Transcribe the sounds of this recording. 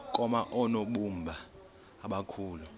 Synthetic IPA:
kʼɔmaʔɔnoɓumbʱaː | ɓakʰuːlu

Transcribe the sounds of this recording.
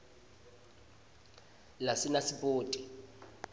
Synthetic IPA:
lasinasipʼoːtʼi̥

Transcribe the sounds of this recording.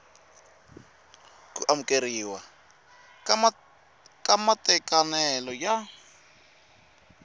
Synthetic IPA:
kuʔamukʼeɾiːwa | kʼamatʼɛkʼanɛlɔja

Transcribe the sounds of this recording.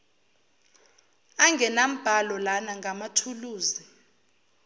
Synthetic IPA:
aŋɡɛnam̩b̥ʱalɔlanaŋɡʱamatʰuluːzi

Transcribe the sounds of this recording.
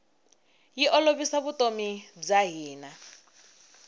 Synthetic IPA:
jiʔɔloβisaβutʼomid͡zaɦiːna

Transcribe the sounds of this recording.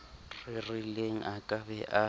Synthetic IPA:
rɪrileŋ̩ʔakʼabɛʔa

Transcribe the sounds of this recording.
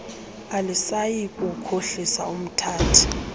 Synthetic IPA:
alisajikʼukʰoɬisaum̩tʰaːtʰu̥

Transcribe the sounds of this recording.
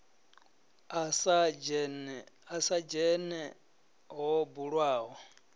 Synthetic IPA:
asad͡ʒnasad͡ʒɛnɛ | ɦɔbuɺwaːɦɔ

